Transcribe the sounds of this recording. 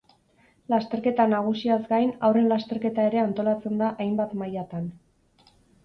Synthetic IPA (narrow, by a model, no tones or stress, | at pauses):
last̪e̞ɾke̞t̪anaɣ̞usiazɡajnawre̞nlast̪e̞ɾke̞t̪ae̞ɾe̞ant̪o̞lat͡se̞nd̪aʔajmbat̪majat̪an